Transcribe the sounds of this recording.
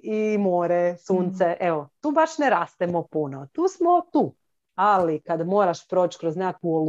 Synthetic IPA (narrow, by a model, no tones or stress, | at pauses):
imoːɾesuːnt̪sɛʔeʋot̪uːbaʃneɾaːst̪emopunot̪uːsmot̪uː | alikad̪moːɾaʃpɾoːt͡ʃkɾoznekuol